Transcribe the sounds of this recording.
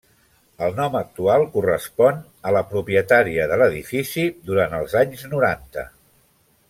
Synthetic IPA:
əlˠnɔmək̚t̪ualˠkurəspɔn | ələpɾupjət̪aɾiəðələðifisiðuɾant̪əlˠzaɲznuɾant̪ə̰

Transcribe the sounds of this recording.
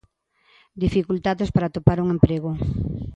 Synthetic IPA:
d̪ifikult̪aðespaɾat̪opaɾuŋempɾeɣo

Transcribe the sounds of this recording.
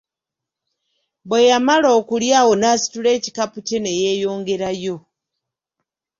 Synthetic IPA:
bwejamaloːkuljaːwo̞naːsi̥tule̞ːci̥kapuceneje̞ːjo̞ːŋɡe̞ɾajo̞

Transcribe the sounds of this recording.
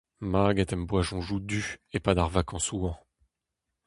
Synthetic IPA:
maɡɛt̪ɛmbwaʒɔ̃ʒud̪yepad̪aʁvakɑ̃suɑ̃

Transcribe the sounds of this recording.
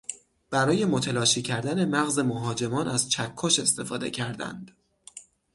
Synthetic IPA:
b̥æɾɒːje̞mot̪ʰelɒːʃiːcʰæɾd̪æne̞mæɣze̞moɦɒːd͡ʒe̞mɒːnæz̥t͡ʃʰækʰːoʃe̞st̪e̞fɒːd̪e̞̰cʰæɾd̪æ̰nd̪̥

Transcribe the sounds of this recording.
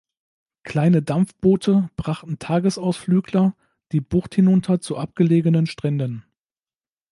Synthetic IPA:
kʰl̥aɪnədamfb̥oːtʰəb̥ʁaχtn̩tʰaːɡəsaʊsflyːɡlɐ | d̥iːbʊχthɪnʊntʰɐt͡suʔap̚ɡ̥əleːɡənənʃtʁ̥ɛndən

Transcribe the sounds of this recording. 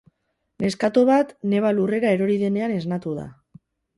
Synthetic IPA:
ne̞skat̪oβat̪ne̞βalure̞ɣae̞ɾo̞ɾið̞e̞ne̞ane̞znat̪uð̞a̰

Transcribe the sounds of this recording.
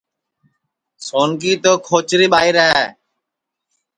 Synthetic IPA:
soːnkiːt̪oːkʰoːt͡ʃɾiːɓaːiːɾəɦɛː

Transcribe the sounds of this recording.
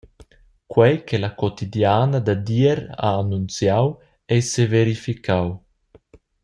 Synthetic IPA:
kwɛjkʰelakɔt̪idjaːnad̪ad̪iɛɾa̰ːnːunt͡sjaw | ɛjseveɾifikʰaw

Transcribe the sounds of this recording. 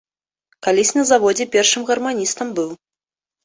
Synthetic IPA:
kalʲisʲnɐzavɔd͡zʲɛpʲɛrʂɨmɣɐrmanʲist̪ɐmbɨw

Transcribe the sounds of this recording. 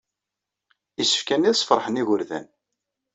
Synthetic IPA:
isə̥fkænːiðsˤfəɾˤħəniʝʊɾðæ̰n

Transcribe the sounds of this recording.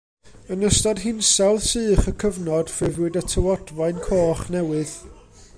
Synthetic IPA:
ənəstɔdɦɪnsɛlˠθsɨːχəkʰəvnɔd̥fɨðwɨdətʰəwɔdvajnkʰoːχnɛwɨð̥

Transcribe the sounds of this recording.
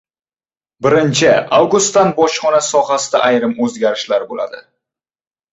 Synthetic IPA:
bɪɾɪnt͡ʃʰɪawɡust̪ːanbɒʃχɒnasɒɦasɪd̪aʔajɾɪmɵzɡʲaɾɪʃlaɾbola̰d̪ɪ

